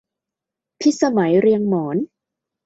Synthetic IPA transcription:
pʰi˦˥t̪̚sa˧ma˩˦jɾi˧əŋmɔː˩˦n

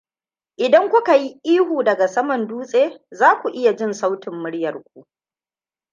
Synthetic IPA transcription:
ʔɪ˨dɐ˦ŋkʷʊ˦ka˨ji˦ʔiː˦huː˨dɐ˨ɡa˨sɐ˦mɐ˨nduː˦sʼeː˦zaː˦kʷu˨ʔɪ˦ja˨d͡ʒɪ˦nsa˦wtɪ˨mːʊ˦ɽjɐ˨rkʷu˦ʔ

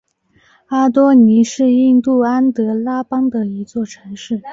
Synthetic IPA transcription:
a˥t̪wɔ˥ni˧˥ʂɻ̩˥˧i˥˧nt̪u˥˩a˥nt̪ɤ˧˥la˥pɑ˥ŋd̪ə˨i˧˥t͡swɔ˥˩ʈ͡ʂʰɤ˧˥ŋʂɻ̩˥˩

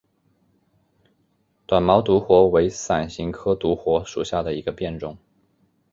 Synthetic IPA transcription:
t̪wa˨˩nmɑ˧˥ʊt̪u˧˥xwɔ˧˥we˧˥ɪsa˨˩nɕi˧˥ŋkʰɤ˥t̪u˧˥xwɔ˧˥ʂu˨˩ɕja˥˩d̪ə˩i˧˥ɡə˧pjɛ˥˧nʈ͡ʂʊ˥˩ŋ

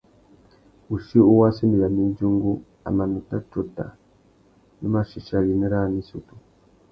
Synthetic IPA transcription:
u˨ʃi˦u˦wa˦si˦mi˨a˨ni˦nd͡ʒu˦ŋɡu˦ | a̰˨ma˨nu˨ta˦to˨ta̰˨ | nu˦ma˦ʃi˨ʃa˦li˨ne˦ɾa˦˨ni˦su˨tu˨

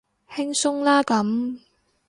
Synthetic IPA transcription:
hɪ˥ŋsʊ˥ŋlaː˥kɐ˨˧˥m

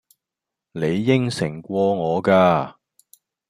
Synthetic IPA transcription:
ne˨˧jːɪ˥ŋsɪ˨˩ŋkʷɔː˧ŋɔː˨˧kaː˧

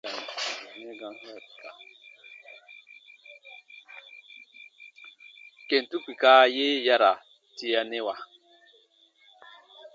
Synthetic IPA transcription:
ne˦ɡã˨˦ḁ˨ka˨ | ke˨n˨tu˦k͡pi˨kaː˦je˦ja˦ɾa˨ | ti˦ja˨ne˦wa˨

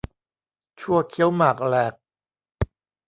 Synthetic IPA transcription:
t͡ɕʰu˥˩əkʰi˦ə˥wmaː˨˩k̚lɛː˨˩k̚

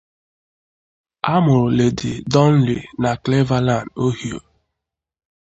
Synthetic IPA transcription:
a˦mʊ˨ɾʊ˨le˨dɪ̰˨dɔ˦n̩˦li˨na˨kle˦va˦la˦˨ndo˦hi˨o̰˨

